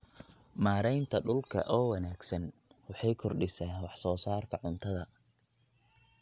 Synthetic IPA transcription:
maːɾɛjnt̪ʰɐɖʊlkʰɐ̰ʔɔːwɐnaːɡsɐnwɑħɑjkʰɔrɖɪsɛːnwɑħsɔːsaːrkʰɐʕʊnt̪ʰɐðɐ

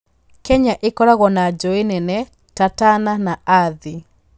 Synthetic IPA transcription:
kɛɲaʔekɔɾaɣɔnad͡ʒɔenɛnɛ | tatananaaði

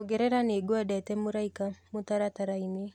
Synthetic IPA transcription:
oɡɛɾɛɾaneːɡoadɛtɛmoɾaikamotaɾataɾaine

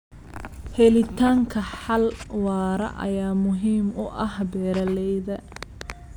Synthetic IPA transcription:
hɛlɪt̪ʰaːŋkʰɐħɑlwɑːɾɐ̰ʔɐ̰jaːmʊɦiːmʊʔɐhbɛːɾɐlɛjðɐ

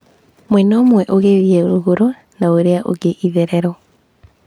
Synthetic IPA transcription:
mwɛnoːmwɛʔoɣeðiɛoɾoɣoɾo | naoɾeaʔo̰ɣeʔiðɛɾɛɾɔ

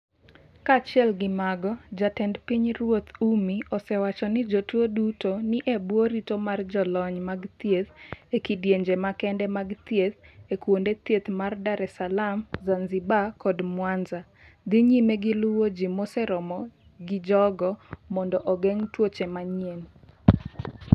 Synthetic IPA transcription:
kat͡ʃɪɛlɡɪmaɡɔd͡ʒatɛndpiɲɾwot̪umiɔsɛwat͡ʃɔnɪd͡ʒotwodutonɪʔebwoɾitomard͡ʒɔlɔɲmaɡt̪jet̪ekidjeɲd͡ʒemakɛndɛmaɡt̪jet̪ekwondet̪jet̪mardaɾɛsalamzanzɪbakɔdmwanza | d̪iɲimeɡɪlʊwod͡ʒimɔsɛɾɔmɔ | ɡɪd͡ʒɔɡɔmɔndɔʔɔɡɛŋtwot͡ʃemaɲien

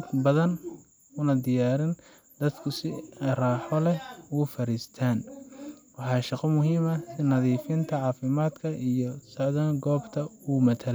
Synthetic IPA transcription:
d̪bɐðɐn | ʊnɐd̪ɪjaːɾɪn | d̪̥ɐd̪kʰʊsɪraːħɔlɛuːfɐɾiːst̪ʰaːn | wɑħɑːʃɑqɔmʊɦiːmɐsɪnɐðiːfɪnt̪ʰɐʕɑːfɪmaːd̪kʰɐijɔsɐʕðɐnɡɔːbt̪ʰɐuːmɐt̪ʰɐl

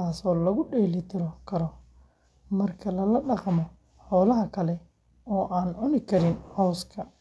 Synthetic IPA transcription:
aːsɔːlɐɣʊɖɛːlɪt̪ʰɪɾɔkʰɐɾɔ | mɐrkʰɐlɐlɐɖɑqmɔ | ħɔːlɐɦɐkʰɐlɛ | ɔːʔaːnʕʊnɪkʰɐɾɪnhɔwskʰɐ

